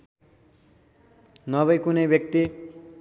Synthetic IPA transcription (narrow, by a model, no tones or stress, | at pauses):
nʌβʌjkunʌjbjʌk̚t̪i